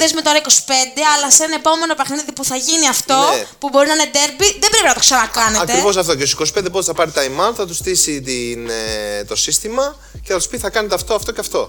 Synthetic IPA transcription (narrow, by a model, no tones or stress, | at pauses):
ðezmet̪oɾɐiko̞si̥pe̞nd̪e̞ɐlɐsɐnepo̞me̞no̞pɐxniðipuθɐʝiniɐft̪o̞pubo̞ɾinɐɐned̪e̞ɾbiðe̞mbɾe̞pinɐt̪oksɐnɐkɐneɐkt̪eɾivo̞s̬ɐft̪oceosi̥ko̞si̥pend̪epot̪eθɐpɐɾit̪ɐimɐθɐt̪ust̪isit̪int̪o̞sist̪imɐ | ceθɐt̪u̥spitθɐkɐnet̪eɐft̪oɐft̪o̞ceɐft̪o̞